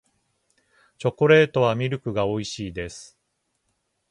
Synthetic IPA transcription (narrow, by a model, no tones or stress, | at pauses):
t͡ɕo̞koɾe̞ːt̪o̞β̞amʲiɾɯ̟kɯ̟ɡao̞iɕiːd̪e̞sɨ̥